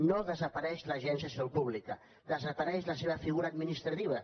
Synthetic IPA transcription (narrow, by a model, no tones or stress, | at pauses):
noðəzəpɐaɾɛʃləʒɛnsiasupuβlikə | d̪əzəpɐɾɛʃləseβəfiɣuɾaːd̪minist̪ɾɐt̪iβ̞ə